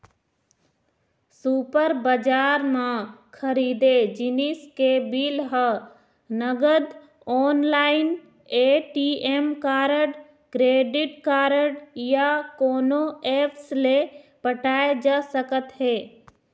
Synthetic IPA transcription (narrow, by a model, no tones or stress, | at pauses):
suːpəɾbəd͡ʒaːɾmãkʰəɾiːd̪ed͡ʒɪnɪskebilɦə | nəɡəd̪ | ɔːnlaːɪn | eːʈiemkaːɾəɖ | kɾeːɖɪʈkaːɾəɖjakoːnoeːpʰslepəʈaːed͡ʒaːsəkət̪ɦeː